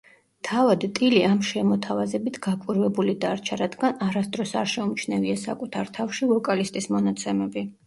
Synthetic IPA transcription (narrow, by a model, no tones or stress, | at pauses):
t̪ʰavad̪t̪ʼiliamʃɛmɔt̪ʰavazɛbit̪ʰɡakʼwiɾvɛbulid̪aɾt͡ʃʰaɾad̪ɡanaɾasd̪ɾɔsaɾʃɛumt͡ʃʰnɛviasa̰kʼut̪ʰaɾt̪ʰafʃivɔkʼalist̪ʼismɔnat̪sʰɛmɛbi